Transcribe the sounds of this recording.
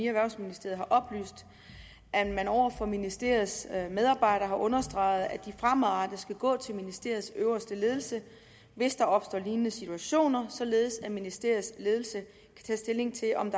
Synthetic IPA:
iæʋæɐʊsminisd̥e̝ɐð̩ˠɦhɑ̈ʔɒ̽b̥ly̰ːsd̥ | ʔæmænɒʊ̰ɐfɒ̽minisd̥e̝ɐð̩ˠsmeð̞ˠɑ̈ːb̥ɑ̈ɪ̰ɾ̥ɐːɦɑ̈ʔɔ̽nɐsd̥ʁɑ̈ɪð̞̩ˠæd̥ifʁamɑ̈d̥əsɡ̥æɡ̥ɔ̰̽ːt͡sʰe̝lminisd̥e̝ɐsøʊɐsd̥əle̝ːð̞ˠl̩sə | ʋe̝sd̥ɑ̈ɒ̽b̥sd̥ɒ̰ːliːnənəsit͡sʰuæɕo̝̰ːnɐsɒ̽le̝ːð̞̩ˠsæminisd̥e̝ɐ̰sle̝ð̞ˠl̩sə | kʰæ̥t͡sʰɛ̰ːsd̥e̝le̝ŋt͡sʰe̝ʔɒ̽md̥

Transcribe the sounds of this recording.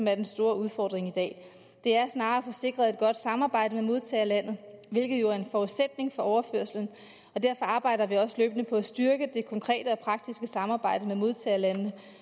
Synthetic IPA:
ɒ̽mæɐd̥ensd̥o̝ːɐuð̞ˠfɒ̰ːd̥ʁeŋid̥ɛ̰ː | d̥e̝æɐsnɑ̈ːfɒ̽se̝ɡ̥ʁɐð̩ˠe̝d̥̚ɡ̥ɒ̽d̥sɑ̈mɑ̈ːb̥ɑ̈ɪ̰d̥əmemo̝ðˠt͡sʰɛ̰ːɐlæn̰ð̞̩ˠʋe̝lɡ̥ð̞̩ˠjo̝æɐe̝nfɒuðˠsed̥ne̝ŋfɒ̽ɒʊɐføɐsln̩ | ɒ̽d̥æɐ̰fɒ̽ɑ̈ːb̥ɑ̈ɪ̰dɐʋiɒ̽səløːb̥ənəpʰɒ̽æsd̥yɐɡ̥əd̥e̝kʰɒ̽ŋkʰʁɛ̰ːdəɒ̽pʰʁɑ̈ɡ̥̚d̥isɡ̥əsɑ̈mɑ̈ːb̥ɑ̈ɪ̰d̥əmemo̝ð̞ˠt͡sʰɛ̰ːɐlænənə

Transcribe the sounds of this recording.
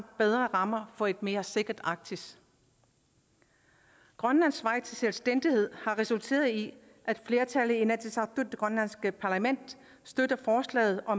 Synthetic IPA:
b̥eð̞ˠʁɐʁɑ̈mɐfɒ̽e̝d̥me̝ːɐse̝ɡ̥ɐd̥ɑ̈ɡ̥̚t͡sʰis | ɡ̥ʁɶnlæn̰sʋɑ̈ɪ̰t͡sʰe̝selsd̥en̰d̥ihe̝ð̞̰ˠhɑ̈ʁɛsult͡sʰe̝̰ːɐðˠi | ʔæd̥fle̝ːɐt͡sʰæləð̩ˠinæt͡sʰisɑd̥ʰud̥ɡ̥ʁɶnlænsɡ̥əpʰɑ̈læmen̰d̥ | sd̥ød̥ɐfɒːslɛ̰ːð̞̩ˠɒ̽

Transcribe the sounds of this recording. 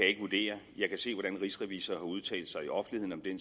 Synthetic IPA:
æje̝ɡ̥əʋud̥e̝̰ːɐjɑ̈ɪkʰæse̝̰ːʋɒɾ̥ænʁisʁɛʋḭːsɐːhɑ̈uð̞ˠt͡sʰɛ̰ːld̥sɑ̈ɪiʔɒ̽fn̩lihḛnɒ̽md̥en

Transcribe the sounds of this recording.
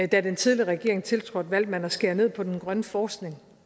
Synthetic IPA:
d̥æd̥ent͡sʰið̞ˠliɐʁɛɡ̥e̝ɐeŋt͡sʰe̝lt͡sʰʁo̰ædʋæl̰d̥̚mænɒsɡ̥e̝ɐne̝ð̰ˠpʰɒ̽d̥enɡ̥ʁɶnəfɒːsɡ̥ne̝ŋ

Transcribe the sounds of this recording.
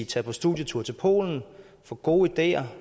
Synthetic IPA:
it͡sʰɛpʰɒ̽sd̥uðˠjət͡sʰuɐ̰t͡sʰe̝lpʰo̝̰ːln̩ | fɒ̽ɡ̥o̝ːid̥e̝̰ːɐ

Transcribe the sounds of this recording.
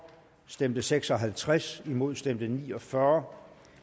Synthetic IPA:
sd̥emd̥əseɡ̥sɒ̽ɦælt͡sʰʁasimo̝ð̞̰ˠsd̥emd̥ənḭːɒ̽fɶɐ

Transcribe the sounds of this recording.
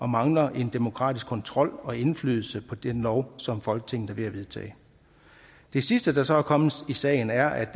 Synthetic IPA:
ɒ̽mɑ̈ŋlɐʔe̝nd̥e̝mo̝kʰʁɑ̰ːd̥isɡ̥kʰɒ̽nt͡sʰʁɒ̽l̰ɒ̽e̝nfly̰ːðˠl̩səpʰɒ̽d̥enlɒʊsɒ̽mfɒ̽lɡ̥ə̥t͡sʰe̝ŋn̩əʋe̝æʋe̝ðˠt͡sʰɛ̰ː | d̥e̝sisd̥əd̥ɑ̈sɒ̽ækʰɒ̽m̩ˠisɛ̰ːɪn̩æɐʔæd̥

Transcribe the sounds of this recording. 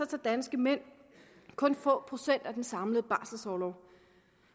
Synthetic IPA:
ɑt͡sʰed̥ænsɡ̥əmen̰ | kʰɔ̽nfɔ̰̽ːpʰʁo̝sen̰d̥æd̥ensɑ̈mləð̞̩ˠəb̥ɑ̈ːsl̩sɒʊlɒʊ

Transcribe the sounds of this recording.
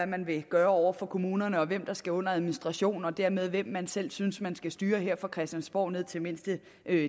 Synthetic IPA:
æmænʋe̝ɡ̥ɶːɐɒʊ̰ɐfɒ̽kʰo̝muːnɐnəɒ̽ʋem̰d̥ɑ̈sɡ̥æɔ̽n̰ɐæð̞ˠminisd̥ʁɑ̈ɕo̝̰ːn̩ɒ̽d̥æɐ̰með̞ˠʋem̰ːænsel̰synsmænsɡ̥æsd̥yːɐɦeɐ̰fɒkʰʁɛsd̥jænsb̥ɒʊ̰ne̝ð̰ˠt͡sʰe̝me̝n̰sd̥ə

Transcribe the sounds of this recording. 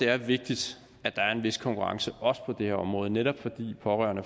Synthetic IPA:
d̥e̝æɐʋe̝ɡ̥̚d̥id̥ | æd̥ɑ̈æɐe̝nʋe̝skʰɒ̽ŋkʰuʁɑ̈ŋsəʔɒ̽sə̥pʰɒ̽d̥e̝hɛɐ̰ɒ̽mʁɔ̽ːð̞̩ˠneɾ̥ɒ̽b̥fɒ̽d̥ḭːpʰɒ̽ʁɶ̰ɐnə

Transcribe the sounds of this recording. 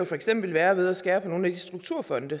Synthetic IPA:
jofɒ̽eɡ̥sem̰b̥l̩ʋæːɐʋe̝ð̞ˠæsɡ̥ɛːb̥əno̝ːn̩æd̥isd̥ʁuɡ̥̚t͡sʰuɐ̰fɒ̽nd̥ə

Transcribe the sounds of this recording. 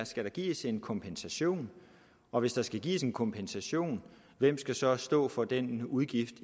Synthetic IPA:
sɡ̥æɾ̥ɑ̈ɡ̥ḭːse̝nkʰɒ̽mpʰensæɕo̝̰ːn | ɒ̽ʋe̝sd̥ɑ̈sɡ̥æɡ̥ḭːse̝nkʰɒ̽mpʰensæɕo̝̰ːn | ʋem̰sɡ̥æsɒ̽sd̥ɔ̰ːfɒ̽d̥enuðˠɡ̥ifd̥

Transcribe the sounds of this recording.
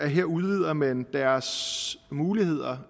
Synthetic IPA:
æɐɦeɐ̰uð̞ˠʋið̞̰ˠɐmend̥æɐsmuːlihe̝ð̞̰ˠɐ

